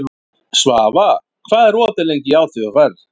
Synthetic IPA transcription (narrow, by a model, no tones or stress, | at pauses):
svaːva | kʰvaːðɛɾɔːt̪ɪlejɲcɪaːwθʏavɛr